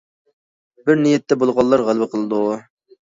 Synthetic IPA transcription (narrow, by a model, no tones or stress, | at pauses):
bɪɾnijɛt̪ːɛbolˠʁɑlˠːɑɾʁælˠbəqʰəlˠɨd̪u